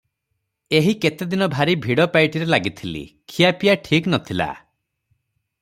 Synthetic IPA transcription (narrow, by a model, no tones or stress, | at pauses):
eɦiket̪ed̪inɔbʱaɾibʱiɽɔpajʈiɾelaɡit̪ʰilḭkʰijapijaʈʰiknɔt̪ʰila̰